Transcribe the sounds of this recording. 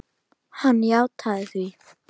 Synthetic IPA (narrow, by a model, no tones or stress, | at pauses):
hanjawt̪ʰaðθi